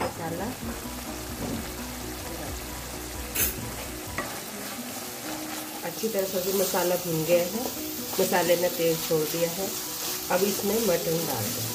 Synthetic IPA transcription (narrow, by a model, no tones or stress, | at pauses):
mɐsaːla | ɐtːʃʰit̪ɐɾəsɐbʱimɐsaːlabʱʊnɡɐjaɦɛ | mɐsaːlenẽt̪eːzt͡ʃʰoːɽd̪ijaɦɛ | ɐbɪsmẽmɐʈənba̰ːɾɡ̪a